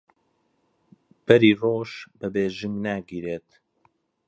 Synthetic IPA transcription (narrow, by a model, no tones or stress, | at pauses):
b̥ɐɾiːroːʃbɐbeːʒɨmnaːɡiːɾeːt̪